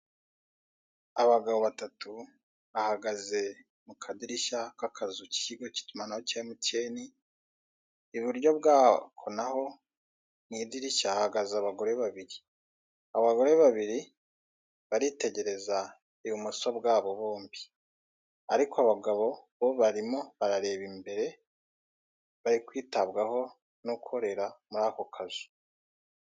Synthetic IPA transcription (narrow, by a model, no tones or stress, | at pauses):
aβaɡaβo̞βatatu | βahaɡaze̞ | mukʰadiɾiʃakakʰazuci̥ciɡo̞ci̥tumanahocaimuteːni | βuɾjo̞β̚ɡaːkʰo̞naho̞ | niːdiɾiʃaːhaɡazaβaɡo̞ɾe̞βaβiɾi | aβaɡo̞ɾe̞βaβiɾi | βaɾite̞ɟe̞ɾe̞za | ijumusobɡaːβo̞βoːmbi | aɾikʰoaβaɡaβo̞βoβaɾimo̞βaɾaɾe̞ːβimbe̞ɾe̞ | βaɾikwiːtaβɡaho̞ | nukʰo̞ɾe̞ɾamuɾaːkokʰazu̥